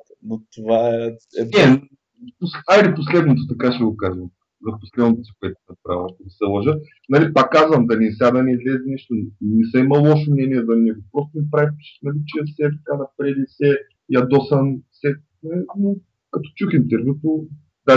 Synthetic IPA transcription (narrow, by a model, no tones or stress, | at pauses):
not̪ovaɛɛɛ | posalɛposlɛd̪not̪ot̪ɐkaʃɛɡokaʒəm | zɐfpo̥slɛd̪not̪osi̥koɛt̪ʊ̥sɐpɾa̰ilˠak̪onisɛlˠɐʒət̪ | nɐlipakːazvɐmd̪ɐnisʲad̪ɐnɛizlɛzɛnɛʃt̪onisɐimɐlˠɔʃomnʲɛniɛd̪ɐnɛɡopɾɔst̪onɐpɾavip̪ʃnɐlit͡ʃɛsɛt̪ɐkanɐpɾɛd̪isɛ | jad̪ɔsɐnsɛ | ɛno | kɐt̪ɔ̥t͡ʃuxint̪ɛɾvʲjut̪o | d̪a